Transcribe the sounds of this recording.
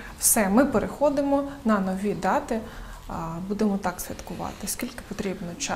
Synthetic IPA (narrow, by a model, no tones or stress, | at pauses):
wsɛmɪpeɾʔexɔd̪ɪmɔnɐnɔʋʲid̪ɑt̪ɪ | bud̪emɔt̪ɑksʲʋʲɐ̰t̪kʊʋɑ̰t̪ɪsʲkʲilʲkɪ̥pɔt̪ɾʲibnɔt͡ʃ